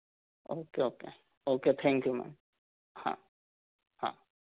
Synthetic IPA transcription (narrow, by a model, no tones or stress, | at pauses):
oːkeoke | oket̪ʰɛ̃ŋkjumɛ̰̃n | hã̰ | hã̰